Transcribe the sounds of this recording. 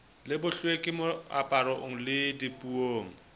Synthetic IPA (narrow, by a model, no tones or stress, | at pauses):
lɪbʊɬwekʼɪmʊa̰pʼaɾɔʔŋ̩lɪdipʼuoːŋ̩